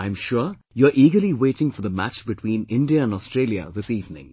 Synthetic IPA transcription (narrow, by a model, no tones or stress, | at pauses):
ãɪ̃mʃʊɾ | juəɾʔiːɡəɾliweːʈɪ̃ŋfɔɾd̪əmæ̰t͡ʃbɪʈʰwĩːnɪ̃nɖiəæ̃nɔstɾeːljə̰ðɪsiːvnɪ̰̃ŋ